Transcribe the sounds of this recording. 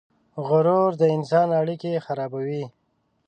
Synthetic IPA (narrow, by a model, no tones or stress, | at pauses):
ɣʊɾoɾd̪əɪnsɑnaɽikexaɾɑbawi